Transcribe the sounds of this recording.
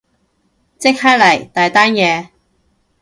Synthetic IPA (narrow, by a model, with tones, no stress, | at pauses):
t͡sɪ˥k̚haː˥lɐ˨˩jt̪aː˨jt̪aː˥njɛː˨˧